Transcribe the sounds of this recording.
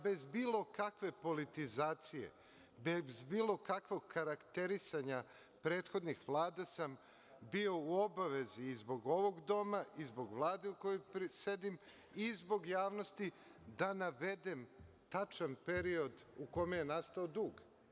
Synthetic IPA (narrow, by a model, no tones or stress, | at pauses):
be̞zbiːlˠo̞kakʋe̞po̞lit̪izaːt̪sije̞̰ | bezbiːlˠo̞kakʋo̞ɡkaɾakt̪e̞ɾisaɲa | pɾe̞ːt̪xo̞d̪nixʋlˠaːd̪asam | bio̞uo̞baʋe̞ziːzbo̞ɡo̞ʋo̞ɡd̪o̞maʔizbo̞ɡʋlˠaːd̪e̞uko̞jojpise̞d̪im | izbo̞ɡjaːʋno̞st̪i | d̪anaʋe̞d̪em | t̪at͡ʃanpe̞ɾio̞d̪ukomejenast̪aod̪uːɡ